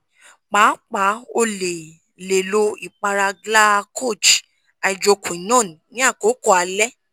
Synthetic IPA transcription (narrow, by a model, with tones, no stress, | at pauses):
k͡pa˨˦k͡pa˨˦o˧le˨ | le˨lo˧i˨k͡pa˧ɾa˧ɡla˦˧kʰo˦˨d͡ʒ | a˧˨d͡ʒo˧kũ˨i˨˦nɔ̃ː˦˨ñ˨nĩ˨˦a˦˨ko˨˦kɔ˦a˧lɛ˦